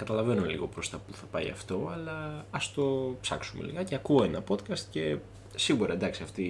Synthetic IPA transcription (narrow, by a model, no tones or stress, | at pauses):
kɐt̪ɐlɐve̞numelḭɣo̞pɾo̞st̪ɐpuθɐpɐḭɐ̰ft̪o̞ɐlɐːst̪o̞psɐ̰ksumḛlḭɣɐceɐkuoenɐpo̞t̪kɐst̪ce̞ | siɣuɾɐend̪ɐksiɐft̪i